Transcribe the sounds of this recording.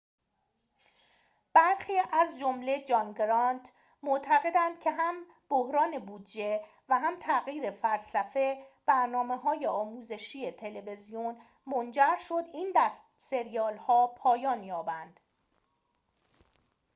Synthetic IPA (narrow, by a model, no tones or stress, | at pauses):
b̥æɾxiːʔæzd͡ʒomle̞d͡ʒɒŋɡɾɒnt̪ʰ | moʔt̪ʰæɣe̞d̪ænd̪̥cʰe̞ɦæm | b̥ohɾɒːne̞buːd̪d͡ʒe | væɦæmt̪ʰæɣiːɾefælsæfe̞b̥æɾnɒːme̞ɦɒːje̞ɒːmuːze̞ʃiːet̪ʰe̞le̞ve̞zijon | mond͡ʒæɾʃo̞d̪ind̪æst̪se̞ɾijɒːlhɒːpʰɒːjɒːnjɒːbænd̪̥